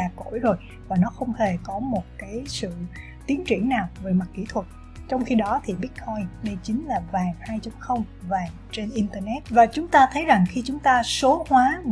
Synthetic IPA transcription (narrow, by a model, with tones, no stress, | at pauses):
aː˨˩ko̰˧˩˥jzo˨˩j | vaː˨˩nɔ˨˦xə˧wŋ͡mhe˨˩kɔ˨˦mo˨˩t̚kaː˨˦jsɨ̰˧˨ | t̪i˨˦ənt͡ɕi˧˩əŋnaː˨˩wveː˨˩ma˨˩t̚kḭ˧˩t̪ʰwə˨˩t̚ | t͡ɕɔ˧wŋ͡mxi˧ɗɔ˨˦t̪ʰi˨˩ɓi˦˥t̚kʰɔ˧jnɗə˧jt͡ɕi˨˦ŋ̟laː˨˩vaː˨˩ŋhaː˧jt͡ɕɔ˧wŋ͡mxə˧wŋ͡mvaː˨˩ŋ | t͡ɕe˧nʔi˧nt̪əː˧nɛ˦˥t̚vaː˨˩t͡ɕʊ˨˦ŋ͡mt̪aː˧t̪ʰə˨˦jza˨˩ŋxi˧t͡ɕʊ˨˦ŋ͡mt̪aː˧so˨˦hwaː˨˦